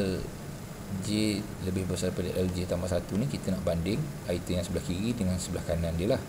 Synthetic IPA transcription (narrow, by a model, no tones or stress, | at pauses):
l | d͡ʒe | ləbɪhbəsarpadəʔəld͡ʒet̪ambasat̪unikit̪ənaʔbandɪŋ | ait̪əjaŋsəbəlahkiɾidəŋansəbəlahkanandiəlah